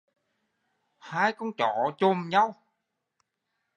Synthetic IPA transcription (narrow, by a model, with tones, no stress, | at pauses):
haː˧˩jkɔ˧˦nt͡ɕɔ̰˧˨t͡ɕo˧mɲa˧w